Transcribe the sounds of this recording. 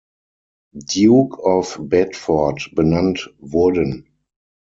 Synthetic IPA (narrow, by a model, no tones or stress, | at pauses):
djuːkʰɔfbɛtfɔɐtb̥ənãntvʊɐdə̃n